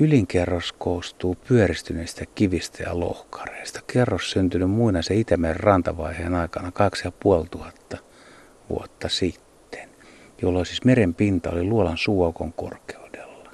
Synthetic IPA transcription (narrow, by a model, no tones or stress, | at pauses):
yliŋkerːoskoːst̪uːpyørist̪yneist̪ækiʋist̪æjɑ̰lo̰hkɑ̥reist̪ɑ̥kerːossynt̪ynymmuinɑseit̪æmærrrɑnt̪ɑʋɑiheːnɑikɑnɑkɑksjɑpuolt̪uhɑt̪ːɑ | ʋṵot̪ːɑsit̪ːe̥n | jolːoisismerempint̪ɑo̰liluolɑnsuokoŋko̰rke̥ud̥elːɑ